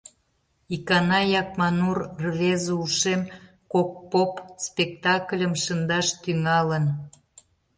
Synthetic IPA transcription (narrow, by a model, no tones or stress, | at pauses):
ikɑnɑjɑk̚mɑnurrβezuʃem | kok̚popspʲek̚t̪ɑklʲəmʃənd̪ɑʃt̪yŋɑlən